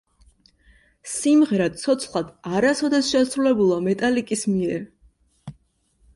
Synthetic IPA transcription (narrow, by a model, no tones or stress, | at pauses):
simʁɛɾad̪̥̚t̪sʰɔt̪sʰχlˠad̪̥aɾasɔd̪ɛsʃɛsɾulɛbulˠamɛt̪ʼalikʼismiɛɾ